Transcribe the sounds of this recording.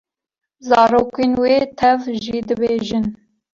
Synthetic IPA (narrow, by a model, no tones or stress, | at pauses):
zɑːɾoːkeːnweːt̪ʰɛvʒiːd̪ɨbeːʒɨn